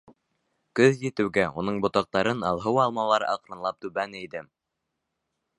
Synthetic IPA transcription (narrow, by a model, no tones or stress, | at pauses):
kɵðjɘ̆t̪ɘ̆wɡæunɤɴbŏt̪ɑq̚t̪ɑɾɤnɑ̰lˠɦɤwɑlˠmɑlˠɑɾɑ̰qɾɤ̆nlˠɑp̚t̪ʉβænid̪ɘm